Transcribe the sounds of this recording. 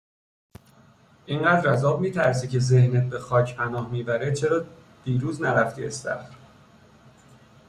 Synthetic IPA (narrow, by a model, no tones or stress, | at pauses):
ʔiɴɢæːd̪ɾæzɒːb̚miːt̪ʰæɾs̬icʰe̞zehnet̪̚bexɒːcʰpʰænɒːhmiːbæɾet͡ʃʰeɾɒː | d̪̥iːɾuːznæɾæft̪ʰiesæ̰xɾ